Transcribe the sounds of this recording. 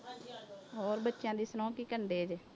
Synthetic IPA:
oːɾbətːʃjãːd̪iːsənɔ̃ːkiːkəɳɖeːd͡ʒ

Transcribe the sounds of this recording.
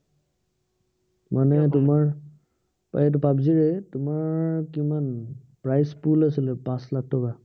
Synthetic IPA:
manɛtʊmaɹ | pa̰jɛt̬upabziɹɛtʊmaɹkiman | pɹajspulasilɛpãslak̚ʰtʰɔka

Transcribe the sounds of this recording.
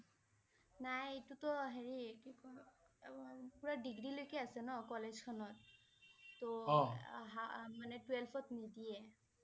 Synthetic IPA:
najetutɔɦeɹikikɔ | puɹadiɡɹilojkɛasɛnɔkɔlezkʰɔnɔt̚ː | ɔɔɦamanɛtwɛlpʰɔtnidijɛ

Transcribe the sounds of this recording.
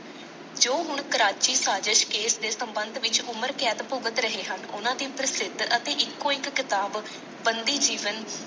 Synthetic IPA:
d͡ʒoːɦʊɳkəɾaːt͡ʃiːsaːd͡ʒəʃkeːsd̪eːsəmbənd̪ʋɪt͡ʃʊməɾkɛːt̪pʊɡət̪ɾəɦeːɦənʊ̰nãːd̪iːpɾəsɪd̪ʱət̪eːʔɪkːõːɪkːɪt̪aːb | bənd̪iːd͡ʒiːʋən

